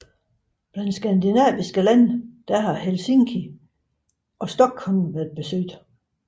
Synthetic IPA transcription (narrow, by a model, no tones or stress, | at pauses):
b̥lænd̥sɡ̥ænd̥inɛ̰ːʋisɡ̥əlænd̥æɦɑ̈helseŋkʰi | ʔɒ̽sd̥ɒ̽ɡ̥hɒ̽lʋæɐd̚ˠb̥e̝sø̰d̥